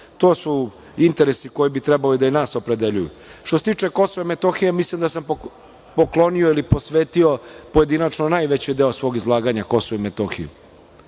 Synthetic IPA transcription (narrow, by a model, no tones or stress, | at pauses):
t̪o̞ːsu | int̪e̞ɾesiko̞jebit̪ɾebalid̪ainaːso̞pɾe̞d̪e̞ʎujṵ | ʃt̪oset̪iːt͡ʂe̞ko̞soʋemet̪o̞xijemislimd̪asam | poklo̞nioilipo̞sʋeːt̪io̞poje̞d̪inat͡ʃnonaːjʋet͡ɕid̪e̞osʋo̞ːɡizlˠaːɡaɲako̞soʋuimet̪oxḭjṵ